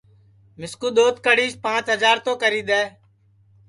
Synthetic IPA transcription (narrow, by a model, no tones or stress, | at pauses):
mɪskuːɗ̪oːt̪̚kəɽiːʃpãːt͡ʃɦəzaːɾt̪õːkəɾiːd̪ɛː